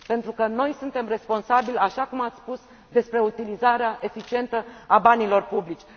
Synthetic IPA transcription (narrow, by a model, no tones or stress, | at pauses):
pe̞nt̪ɾukəno̞jsunt̪e̞mre̞spo̞nsabilʲaʃakumat̪sʲspus | d̪e̞spɾe̞ut̪ilizaɾeaʔe̞fit͡ʃie̞nt̪əabanilo̞rpublit͡ʃʲ